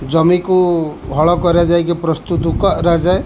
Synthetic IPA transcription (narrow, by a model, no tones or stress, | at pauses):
d͡ʒɔmikuɦɔɭɔkɔɾad͡ʒajkipɾɔst̪ut̪ukɔɾad͡ʒae